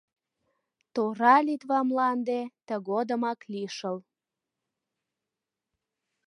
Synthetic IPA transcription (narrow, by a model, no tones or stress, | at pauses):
t̪oɾɑlit̪βɑmlɑnd̪et̪əɣod̪ə̆mɑkliʃəl